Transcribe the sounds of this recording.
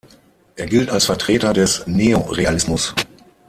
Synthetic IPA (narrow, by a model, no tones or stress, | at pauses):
ʔeːɐɡɪltalsfɛɐtʁ̥eːtɐdɛsneːoʁealɪsmʊs